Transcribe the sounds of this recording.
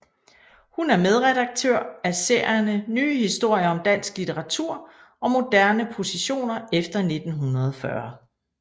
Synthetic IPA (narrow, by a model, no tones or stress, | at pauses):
hunæɐmeð̞ˠʁɛɾ̥ɑ̈ɡ̥̚t͡sʰøɐ̰æse̝̰ɐ̰jɐnənyːhisd̥o̝ɐ̰jɐɒ̽md̥æn̰sɡ̥lit͡sʰeʁɑ̈t͡sʰuɐ̰ | ʔɒ̽mo̝d̥æɐnəpʰo̝siɕo̝̰ːnɐefd̥ɐne̝d̥n̩ɦunʁɐð̞̩ˠfɶɐ